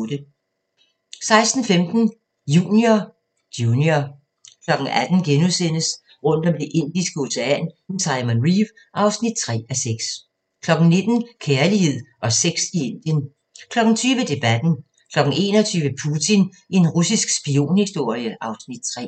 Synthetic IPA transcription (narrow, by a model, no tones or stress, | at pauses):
d̥ə | sɑ̈ɪsd̥n̩femd̥n̩ | jṵːnio̥ | unio | kʰlɒ̽ɡ̥ŋ̩æd̥n̩ɡ̥enusen̰əs | ʁɔ̽n̰d̥ɒ̽md̥e̝ʔe̝n̰d̥isɡ̥əo̝seæn̥nt͡sʰɑ̈ɪmənʁiːʋ | ʔɑ̈ʊsnid̥̚t͡sʰʁɛ̰ːæseɡ̥s | kʰlɒ̽ɡ̥n̩ne̝d̥n̩kʰeɐlihe̝ð̰ˠʔɒ̽seɡ̥sie̝n̰d̥jən | kʰlɒ̽ɡ̥n̩t͡sʰyːʋəd̥e̝b̥æd̥n̩ | kʰlɒ̽ɡ̥n̩ʔe̝̰ːnɒ̽t͡sʰyːʋəpʰut͡sʰin | ʔe̝nʁusisɡ̥sb̥io̝̰ːnhisd̥o̝ɐ̰jəʔɑ̈ʊsnid̥̚t͡sʰʁɛ̰